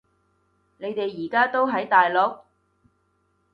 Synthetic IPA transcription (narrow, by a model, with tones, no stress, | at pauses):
ne˨˧jt̪e˨jːiː˨˩kaː˥t̪o˥wɦɐ˨˥jt̪aː˨jlo˨˥k̚